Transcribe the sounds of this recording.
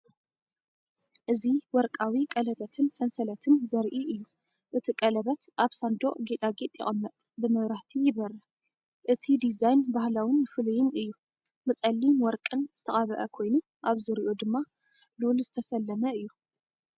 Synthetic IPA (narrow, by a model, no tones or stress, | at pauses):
ʔɨziwɔɾkʼawikʼɐlɐβɐt̪ʰɨnsɐnsɐlɐt̪ʰɨnzɐɾʔiʔɨjːu | ʔɨt̪ʰikʼɐlɐβɐt̪ʔaβsand̪oʔʼɡet̪ʼaɡet̪ʼjɪ̰χʼɐmːɐt̪ʼbɨmɐβɾaht̪ʰijɪβɐɾɐ | ʔɨt̪ʰid̪izajnbahlawɪnːɨfɨlujɪnɨjːu | mɨt͡sʼɐlːinwɔɾkʼɨnz̥ɨt̪ʰɐχʼɐβɐʔɐkʰo̞jnu | ʔaβzɨɾiʔod̪ɨmːa | lulzɨt̪ʰɐsɐlːɐmɐɨjːu